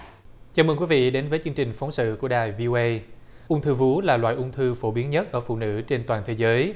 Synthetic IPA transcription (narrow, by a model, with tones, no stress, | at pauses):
t͡ɕaː˨˦məː˧ŋkwi˨˦vḭ˧˨ɗe˨˦nvəː˨˦jt͡ɕɨ˧əŋt͡ɕï˨˩ŋ̟fə˨˦wŋ͡msɨ̰˧˨ku˧˩əɗaː˨˩jvi˧ʔo˧ʔə˧j | ʔʊ˧ŋ͡mt̪ʰɨ˧vu˨˦laː˨˩lwa̰ː˧˨jʔʊ˧ŋ͡mt̪ʰɨ˧fo˧˩ɓi˨˦ənɲə˦˥t̚ʔəː˧˩fṵ˧˨nɨ̰˧˥t͡ɕe˧nt̪waː˨˩nt̪ʰe˨˦zəː˨˦j